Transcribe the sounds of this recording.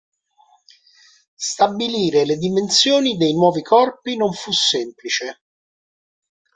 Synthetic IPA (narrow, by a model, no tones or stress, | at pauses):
st̪abiliːɾeled̪imensjoːnid̪ejnwɔːvikʰɔrpinoɱfusːemplit͡ʃe